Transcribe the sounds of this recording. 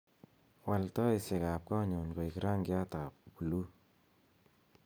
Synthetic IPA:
wa˨ltɔ˦i˨se˨ka˨p̚kɔ˦ɲɔ˨nko˨jki˨ɾa˦ŋɡa˦t̪a˨p̚pu˨lu˦

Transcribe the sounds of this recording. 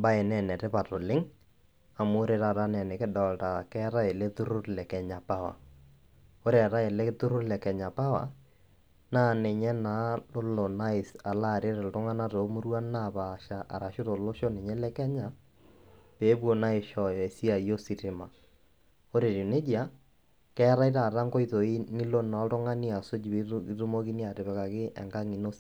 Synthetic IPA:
mba˦e˨nɛ˨nɛ˨ɾɛ˦pa˨to˨lɪ˦ŋ | a˨mo˦ɾe˨ɾa˨ɾa˦nɛ˨nɛ˨kɛ˦dɔ˨lta˨kɛ˦ɾa˦e˨le˦tʊ˦ɾo˦ɾlɛ˨kɛ˨ɲa˨pa˦wa̰˨ | o˦ɾa˨ɾa˦e˨le˦tʊ˦ɾʊ˦lɛ˨kɛ˨ɲa˨pa˦wa̰˨ | na˦˨ne˨ɲɛ˦na˨˦lo˦lo˨na˦e˨a˨la˦˨ɾe˦ɾɛ˨lto˦ŋa˦na˦ɾo˨˦mʊ˦ɾwa˦na˦˨βaʃa˨ʔa̰˨ɾa˨ʃo˦ɾo˨lo˦ʃɔ˦nɛ˨ɲɛ˦lɛ˦kɛ˦ɲa˨ | peː˨˦bo˨na˦e˨ʃɔ˨ɛ˨si˦a˨i˨jo˦si˨ɾɪ˨ma˨ | o˦ɾe˨ɾi˨ne˦d͡ʒi˦a˦ | kɛː˦ɾa˦i˦ɾa˨ɾa˦ŋɡɔ˦i˦ðo˨i˦nɪ˦lo˦na˨˦tʊ˦ŋa˦ni˦a˨so˦d͡ʒi˨˦ɾu˦mo˦ki˦ni˦a˨tɪ˨βɛ˨ka˨kɪ˦ʔɛ̰˨ŋɡa˦ŋi˨no˦s

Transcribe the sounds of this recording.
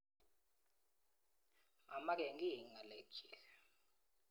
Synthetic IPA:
a˨ma˦k̬ɛ˨ŋɡi˦˨ŋa˨lɛ˨kɛ

